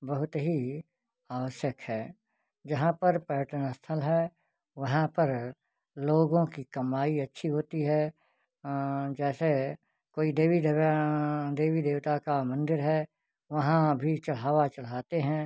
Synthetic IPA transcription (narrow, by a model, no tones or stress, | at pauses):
bɐɦʊt̪ɦi | aːʋəʃjəkhɛː | d͡ʒɐɦãpɐɾpəɾəʈənəst̪ʰəlɦɛː | ʋɐɦãpɐɾ | loːɡõkikɐmaːiɐtːʃʰiɦoːt̪iɦɛ | d͡ʒɛːse | koːid̪eːʋid̪ | d̪eːʋid̪eːʋt̪akamɐ̃nd̪ɪɾɦɛ | ʋɐɦãbʱit͡ʃɐl̤aːʋat͡ʃɐl̤aːt̪eɦɛ̃ː